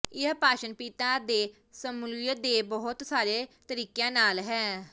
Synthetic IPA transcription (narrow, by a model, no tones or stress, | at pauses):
ɪpaːʃənpiːt̪ãːd̪eː | səmuljəd̪eːbəɦʊt̪saːɾeːt̪əɾiːkjãːnaːlɦɛː